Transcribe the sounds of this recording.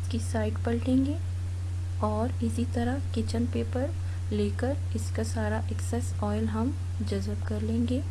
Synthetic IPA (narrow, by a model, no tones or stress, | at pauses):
ɪskisaːɪʈpɐɽʈẽːŋɡeː | ɔːɾɪsit̪ɐɾakɪt͡ʃənpeːpəɾ | leːkəɾ | ɪskasaːɾaʔɛksɛsɔːɪlɦɐm | d͡ʒɐzəbkɐɾlẽːŋɡeː